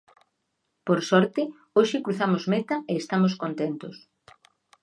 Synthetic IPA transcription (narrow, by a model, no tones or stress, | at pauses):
poɾsɔɾt̪ɪ | oʃɪkɾuθamozmet̪ɐeːst̪amoskont̪ent̪ʊs